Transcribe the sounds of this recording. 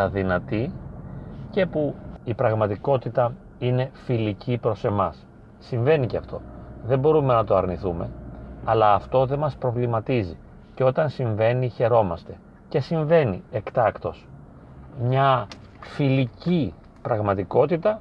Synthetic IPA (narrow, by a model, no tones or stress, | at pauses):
ɐðinɐt̪i | ce̞puipɾɐɣmɐt̪iko̞t̪it̪ɐ | ine̞filicipɾo̞se̞mɐsː | iɱve̞niceɐft̪o̞̰ðe̞mbo̞ɾume̞nɐt̪oɐɾniθume̞̰ɐlɐːft̪o̞ðe̞mɐspɾo̞vlimɐt̪izi | ceo̞t̪ɐnsiɱve̞niçe̞ɾo̞mɐst̪e̞ | ce̞siɱve̞nie̞kt̪ɐkt̪o̞s | mɲɐ | filici | pɾɐɣmɐt̪iko̞t̪it̪ɐ